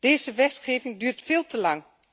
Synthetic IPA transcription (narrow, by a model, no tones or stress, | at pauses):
d̥eːzəʋɛtχeːvɪŋdyːɹtfeːlˠtəlɑŋ